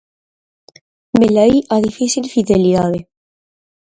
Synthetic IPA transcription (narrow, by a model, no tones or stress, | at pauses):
melaiʔaðifisilfiðeliðaðe